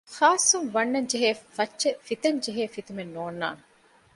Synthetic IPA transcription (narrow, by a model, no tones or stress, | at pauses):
xaːsːuŋʋɐnːɐɲd͡ʒeɦeːfɐtːt͡ʃːefit̪ɐɲd͡ʒeɦeːfit̪umenːoːnːa̰ːn